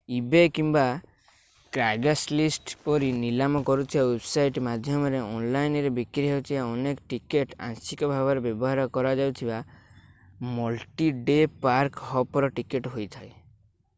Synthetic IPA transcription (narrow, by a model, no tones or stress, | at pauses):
ibekimba | kɾaɡaslisʈpɔɾinilamɔkɔɾut̪ʰibawebsajʈmad̪ʱjɔmɔɾeɔnlajnɾebikɾiɦewt̪ʰibaɔnekɔʈikeʈã̰ŋsikɔbʱabɔɾebjɔbɔɦaɾɔkɔɾad͡ʒawt̪ʰiba | mɔlʈiɖepaɾkɦɔpɔɾɔʈikeʈɦojt̪ʰae